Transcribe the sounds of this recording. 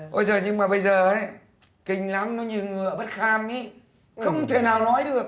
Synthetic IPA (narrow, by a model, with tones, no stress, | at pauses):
ʔə˧jzəː˨˩ɲɨ˧ŋmaː˨˩ɓə˧jzəː˨˩ʔə˨˦j | kï˨˩ŋ̟la˨˦mnɔ˨˦ɲi˨˩ə˩wŋɨ˨˩˨əɓə˦˥t̚xaː˧mʔi˨˦ | xə˧wŋ͡mt̪ʰe˧˩naː˨˩wnɔ˨˦jɗɨ˨˩ək̚